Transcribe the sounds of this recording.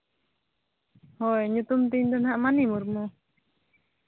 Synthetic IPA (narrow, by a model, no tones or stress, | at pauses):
hɔjɲut̪umt̪̬iɲd̪ɔnɦaʔmanimuɾmu